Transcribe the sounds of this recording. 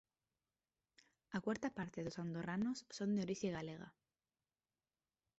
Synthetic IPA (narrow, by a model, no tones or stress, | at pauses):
akwaɾt̪apaɾt̪eðosand̪oranosːond̪eoɾiθjeɣaleɣa̰